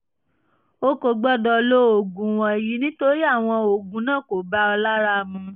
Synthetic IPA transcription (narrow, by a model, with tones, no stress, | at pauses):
o˦ko˨ɡ͡bɔ˦dɔ˧lo˦o˨ɡũ˨w̃ɔ̃˧˨ji˨˦nĩ˦to˦ɾi˦a˦˨w̃ɔ̃˧o˨ɡũ˨˦nãː˦˨ko˨ba˦ɔ˧la˦ɾa˧mũ˧